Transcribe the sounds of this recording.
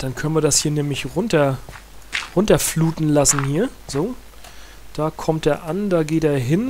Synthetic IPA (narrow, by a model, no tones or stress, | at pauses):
d̥ankʰœnviːɐdashiːɐnɛːmlɪçʁʊntɐ | ʁʊntɐfluːtn̩lasn̩hiːɐz̥oː | d̥aːkʰɔmt̚deːɐʔandaːɡeːteːɐɦɪn